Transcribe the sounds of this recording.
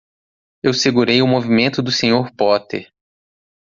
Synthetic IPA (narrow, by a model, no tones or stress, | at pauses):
ewseɡuɾejʊmovimẽnt̪ʊd̪ʊsẽɲoɾpɔt̪eɾ